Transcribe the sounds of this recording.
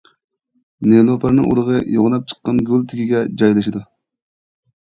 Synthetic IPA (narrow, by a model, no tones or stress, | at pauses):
nelˠopʰɑɾnɨ̰ŋʔṵɾəʁəjoʁnɑp̚t͡ʃʰə̥qːɑnɡʲylˠt̪ʰɪkʲiɡʲɛd͡ʒɑjlˠɨʃid̪u